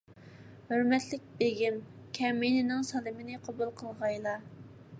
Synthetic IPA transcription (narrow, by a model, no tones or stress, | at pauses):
høɾmɛt̪lɪk̚ʲbeɡʲimkʲʰɛminɪnɪŋsɑlˠɪmɪnɪqʰobulˠqʰəlˠʁɑjlˠɑ